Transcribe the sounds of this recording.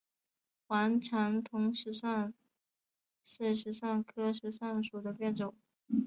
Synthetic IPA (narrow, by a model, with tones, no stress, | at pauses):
xwa˧˥nʈ͡ʂʰɑ˧˥ŋt̪ʰʊ˧˥ŋʂɻ̩˧˥ʂa˥˧ŋ | ʂɻ̩˥˩ʂɻ̩˧˥ʂa˥˩ŋkʰɤ˥ʂɻ̩˧˥ʂa˥˩nʂu˨˩d̪ə˦pjɛ˥˩nʈ͡ʂʊ˨˩˦ŋ